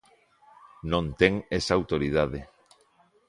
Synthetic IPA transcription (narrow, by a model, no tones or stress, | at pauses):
nõnt̪eŋesaawt̪oɾið̞aðe